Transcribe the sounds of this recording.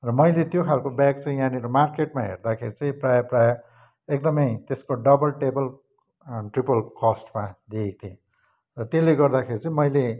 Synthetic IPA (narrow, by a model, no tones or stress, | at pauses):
rʌmʌjlet̪jokʰalkobakt͡sʌĩjaniɾomarkeʈmaɦḛrd̪akʰeɾit͡sʌ̃ĩprajʌprajʌ | ek̚d̪ʌmʌjt̪eskoɖʌbʌlʈebʌl | ʈripʌlkʌsʈmad̪iek̚t̪ʰiẽ | rʌt̪eleɡʌrd̪akʰeɾit͡sʌĩmʌjle